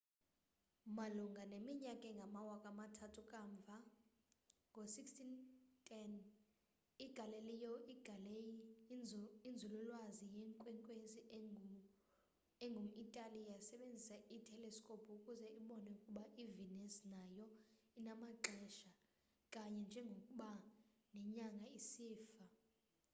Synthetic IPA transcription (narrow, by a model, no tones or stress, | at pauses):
maluŋɡʱanemiɲakʼɛŋɡʱamawakʼamatʰatʰukʼaɱb̪vʱa | ŋɡʱosikstʰintʰʼɛn | iɡ̥ʱalɛlijɔiɡ̥ʱalɛ | ind͡zʱululwazijɛŋkʼwɛŋkʼwezi | ɛŋɡʱum̩itʼalijasɛɓend͡zʱisaʔitʰɛlɛskʼopʰukʼuzɛiɓɔnɛukʼuɓaʔivinɛsnajɔinamaǁʱɛʃa | kʼaɲɛnd͡ʒʱɛŋɡʱokʼuɓanɛɲaŋɡʱaisiːfa